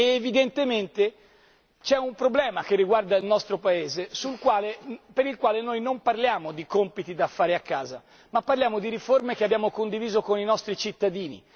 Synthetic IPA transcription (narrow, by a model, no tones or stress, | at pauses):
eːvid̪ent̪ement̪e | t͡ʃɛumpɾoblɛːmakerːiɡward̪ailnɔst̪ɾopaeːzesulkwaːlepeɾilkwaːlenojnomparljaːmod̪ikompit̪id̪afːaːɾeakːaːza̰ | mapːarljaːmod̪iɾiformekeabːjaːmokond̪iviːzokoninɔst̪ɾit͡ʃit̪ːad̪iːnḭ